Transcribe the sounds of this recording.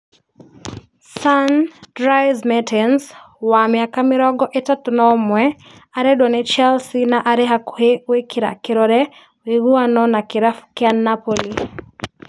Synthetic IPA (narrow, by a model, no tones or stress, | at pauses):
sandɾajzmɛtʰɛns | wamɪakamɪɾɔɡɔʔetatʊnɔmwɛ | aɾɛdwɔnɪt͡ʃɛlsinaʔaɾɛɦakhewekɪɾa̰kɪɾɔɾɛ | wiɡuanɔnakɪɾafkɪanːapoli